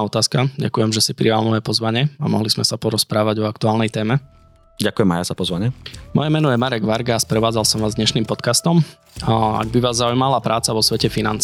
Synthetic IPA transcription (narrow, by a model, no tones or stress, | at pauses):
ɔt̪aːskaɟa̰kujɛmʒɛsipɾialnɔʋɛpɔzʋaɲɪɛa̰mɔ̰ɦlizmɛsapɔɾɔspɾaːʋaɟɔakt̪uaːlˠnɛjt̪ɛːmɛ | ɟakujɛma̰jaz̥apɔzʋaɲɪɛmɔ̰jɛmɛnɔjɛmaɾɛɡʋaɾɡaːspɾɛʋaːd͡zalsɔmʋaːzd̪ɲɛʃniːmpɔt̪kast̪ɔm | a̰ɡ̚biʋaːzːaujmalapɾaːt͡saʋɔsʋɛcɛfina̰nt͡s